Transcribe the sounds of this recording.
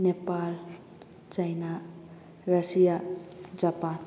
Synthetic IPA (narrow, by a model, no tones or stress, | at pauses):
nepal | t͡ʃajna | rəsijad͡ʒapan